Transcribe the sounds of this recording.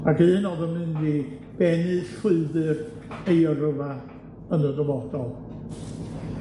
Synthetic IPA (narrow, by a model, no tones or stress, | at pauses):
akɨːnɔðəmɨndiː | b̥ɛnɨɬwɪɨðɨr | ejərəva | ənədɔvɔdɔlˠ